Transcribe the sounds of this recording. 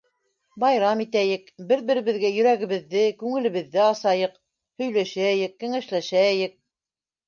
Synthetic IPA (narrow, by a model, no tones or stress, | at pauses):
bɑjɾɑmit̪æjɘkbɘɾβɘ̆ɾɘ̆βɘ̆ðɡæjɵ̆ɾæɣɘ̆βɘ̆ðːɘkʉŋɘ̆lɘ̆βɘ̆ðːɘɑsɑjɤq | hɵ̆jlæʃææjɘkːɘ̆ŋæʃlæʃææjɘk̚